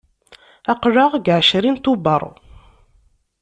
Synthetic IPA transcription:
æqʒəʁɡʕʃɾint̪ubəɾˤ

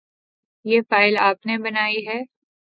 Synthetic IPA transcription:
jeːfaːɪlaːpnebɐnaːiɦɛː

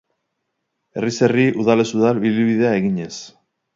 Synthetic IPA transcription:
e̞rise̞riʔuðale̞suðalβiliβiðe̞ae̞ɣiɲe̞s

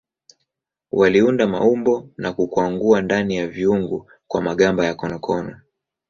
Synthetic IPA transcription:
waliundama̰umbɔnakukwaŋɡuandanijaviuŋɡu | kwamaɠambajakɔnɔkʰɔnɔ

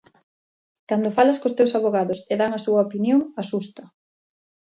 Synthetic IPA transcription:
kand̪ofalɐskost̪ewsaβoɣaðʊseðaŋɐsuɐopinjoŋasust̪ɐ

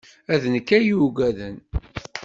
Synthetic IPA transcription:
æðnəkːæjuɡʷæðən

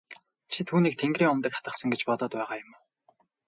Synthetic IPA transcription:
t͡ɕʰit̪ʰuːniːk̚t̪ʰeŋɡriːŋɔmt̪ə̆kχḁt̪ə̆χsə̆ŋɡet͡ɕpɔt̪ɔːt̪pæːʁaːjʊm

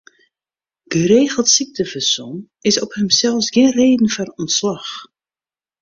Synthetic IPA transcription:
ɡ̥əɾeːɣəlˠtsik̚təfəsɔn | ɪsɔphəmsɛlˠfsɡɪnreːdn̩fɔnɔntslɑx

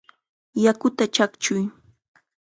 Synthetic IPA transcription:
jakʊt̪at͡ʃakt͡ʃʊj

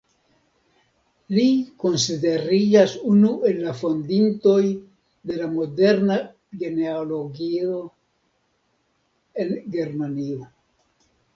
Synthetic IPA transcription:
liko̞nside̞ɾid͡ʒasunuʔe̞lːafo̞nd̪into̞j | d̪e̞lamo̞de̞ɾna | ɡe̞neolo̞ɡio̞ | e̞nɡe̞ɾmania

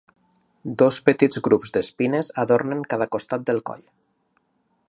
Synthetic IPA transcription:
d̪ospət̪id͡zɣɾupzd̪espinezaðoɾneŋkaðakost̪at̪̚d̪əlˠkɔ̰ʎ

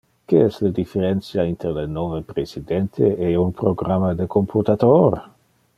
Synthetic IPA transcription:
keɛsləd̪ifeɾɛnsjaint̪ɾelenovepɾesid̪ɛnt̪ʰeeunpɾoɡɾamad̪əkompʰut̪at̪oɾ

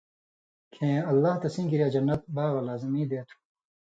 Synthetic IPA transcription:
kʰẽːɐlːaːht̪ɐsĩːkiɾjaːd͡ʑɐnːɐt̪̚baːɣɐlaːzimĩːd̪eːt̪ʰu̥

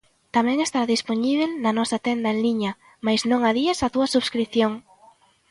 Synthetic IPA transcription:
t̪amɛ̃ŋest̪aɾðisponiβelnɐnɔsat̪end̪ɐẽŋliɲɐ | majznõŋaðiasat̪uɐsuβskɾiθjoŋ

